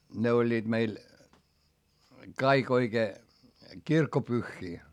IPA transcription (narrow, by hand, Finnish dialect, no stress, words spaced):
ne olʲːiːd̥ meil kɑik oikeː kirkːopyxːiː